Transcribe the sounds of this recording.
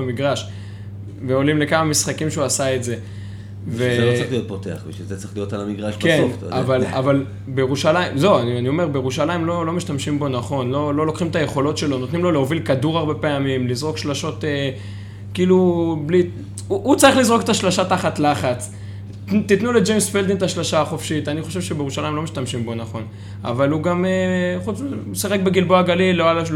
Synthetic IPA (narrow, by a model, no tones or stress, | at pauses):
miɡʁaʃ | veo̞limle̞kamamisχakimʃeuasaetze̞ | veoχlijot̪̚potea̰χbḭʃizet͡sʁiχlijo̞talamiɡʁaʃbkenavalaval | bejeʁuʃalaimze̞wanianio̞me̞ʁbejeʁuʃalajimlo̞lo̞miʃtamʃimbo̞naχo̞nlo̞lo̞lo̞kχimt̪aje̞χo̞lo̞tʃe̞lo̞no̞t̪nimloleo̞vilkaduʁaʁbepeamimlizʁo̞kʃlaʃo̞te | kiːlubli | uʔut͡saʁiχlizʁo̞ket̪aʃlaʃat̪aχat̪laχat͡s | t̪it̪nule̞d͡ʒejmsfeld̪int̪aʃlaʃaaχo̞fʃit̪aniχo̞ʃe̞vʃebejeʁuʃalajimlomiʃtamʃimbo̞naχo̞n | a̰valuɡameχut͡sm | saχe̞k̚beɡilboaɡaliloala